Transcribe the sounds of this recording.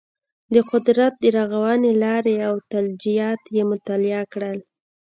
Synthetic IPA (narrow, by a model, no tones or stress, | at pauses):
d̪əqʊd̪ɾat̪̚d̪əɾaɣawɑnelɑɾeawt̪ald͡ʒijɑt̪jemʊt̪ɑlɪɑkɽəl